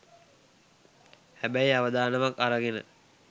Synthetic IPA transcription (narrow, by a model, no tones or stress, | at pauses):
hæbæiaʋəd̪aːnəʋakaɾəɡenə̰